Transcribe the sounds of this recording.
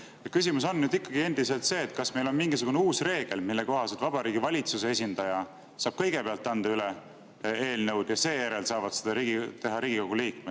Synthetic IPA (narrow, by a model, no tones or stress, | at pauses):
jekys̬ʲimuso̞nːyd̪ikːˑɑɡ̥ie̞nd̪̥iselt̪se̞ːt̪ˑkɑsme̞jlo̞nmiŋɡ̥isuɡuneuːsre̞ːɡ̥e̞lmilːeko̞ɦɑset̪vɑbɑɾiːɡivɑlʲit̪susees̬ʲind̪̥ɑjɑ | sɑːb̥kɤ̞jɡe̞peɑlt̪ːˑɑnd̪̥ɑyle | e̞ːlnə̞wd̪̥jɑse̞ːjæɾe̞lsɑːvɑd̪̥sed̪̥ɑɾiɡt̪e̞ɦɑɾiːɡ̥iko̞ɡ̥uliːkme̥